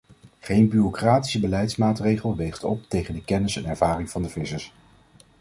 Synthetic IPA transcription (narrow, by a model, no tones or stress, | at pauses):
χejnbyrokraːti̥səbəlɛjtsmaːtrejχəlˠʋejχtɔ̰p̚tejχəndəkɛnɪsɛnɛɹvaːrɪŋv̥ɑndəvɪsəs